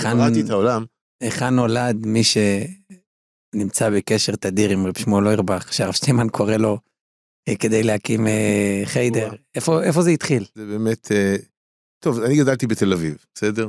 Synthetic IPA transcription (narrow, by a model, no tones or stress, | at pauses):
eanit̪aolam | eχanːo̞lad̪miʃe̞ | nimt͡sabekeʃeʁt̪ad̪iʁimʁebʃmoloiʁbaχʃeaʁavstemankʰo̞ʁelo̞ | ke̞d̪ejlehakimeχejd̪e̞ʁefo̞ʔe̞fo̞zeit̪χilzebeːmet̪ʰe | t̪ovaniɡad̪alt̪ibet̪e̞lavivbesed̪eʁ